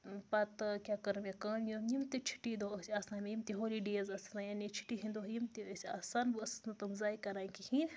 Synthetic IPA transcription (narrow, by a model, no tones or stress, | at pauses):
pɐt̪kʲaːkɐɾmekɐːmjoːmjimt̪it͡ʃʰi̥ʈid̪oɐsʲiaːsaːnmjimt̪iɦoːliɖeːɐzɐsnajanit͡ʃʰi̥ʈiɦĩnd̪oɦjimt̪iɐsʲia̰ːsaːnbɨɐsnɐt̪umzaːjikɐɾaːikihĩːn